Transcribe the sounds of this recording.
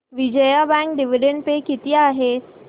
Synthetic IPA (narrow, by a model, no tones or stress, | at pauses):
ʋid͡ʒəjabɛ̃ŋk̚ɖiʋiɖẽɳɖpekit̪iaːɦe